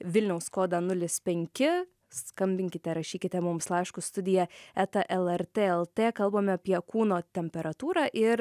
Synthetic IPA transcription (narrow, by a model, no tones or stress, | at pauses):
ʋʲɪlʲnʲɛʊskoːd̪ɑnʊlʲɪspʲɛŋʲkʲɪ | skɐmʲbʲɪŋʲkʲɪt̪ʲɛɾɐʃʲiːkʲɪt̪ʲɛmʊmslˠɑɪʃkʊst̪ʊd̪ʲɪjɛɛt̪ɐʔɛlˠɛɾt̪ʲeːɛlˠt̪ʲeːkɐlˠboːmʲɛɐpʲiɛkuːnoːt̪ʲɛmʲpʲɛɾɐt̪uːɾɑːʔɪɾ